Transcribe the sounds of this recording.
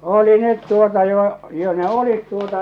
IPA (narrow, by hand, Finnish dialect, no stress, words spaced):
oli net tuotɑ jo jo ne olit tuotɑ